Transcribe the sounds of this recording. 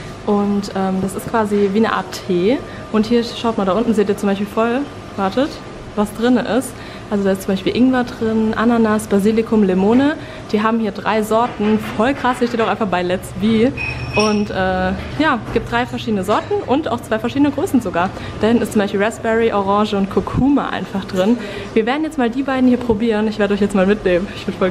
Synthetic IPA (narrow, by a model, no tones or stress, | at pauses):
ʔʊntʔɛːmd̥asɪstkv̥aːziviːnəʔa̰ːtʰːeː | ʔʊnthiːɐʃaʊt̚maːldaʔʊntn̩zeːtiːɐt͡sʊmbaɪʃpiːlfɔl | vaɐtət | vasd̥ʁɪnəʔɪst | ʔalzodaːɪstt͡sʊmbaɪʃpiːlʔɪŋvadʁɪnʔananasb̥aziːlɪkʰʊmlemoːnə | d̥iːɦaːbm̩hiːɐdʁa̰ɪzɔɐtn̩fɔlkʁ̥ashiɐʃeːtaʊʔaɪnfaχb̥aɪlɛt͡sviːʔʊntʔɛːjaːɡ̥iːp̚td̥ʁaɪfɛɐʃiːdənəzɔɐtn̩ʔʊnta̰ʊxt͡sv̥aɪfɛɐʃiːdənəɡʁøːsn̩zoɡaːɐ | d̥aːhɪn̩ɪstt͡sʊmbaɪʃpiːlʁɛsb̥ɛʁiʔoʁɑŋʒəʊnt̚kʰokʰuːma̰ʔa̰ɪnfaχd̥ʁɪn | viːɐveːɐdn̩jɛt͡smaːldiːbaɪdn̩hiːɐpʁ̥obiːʁənɪçv̥eɐɾəɔʏçjɛt͡smaːlmɪtneːməmɪçv̥ɪɐdəfɔl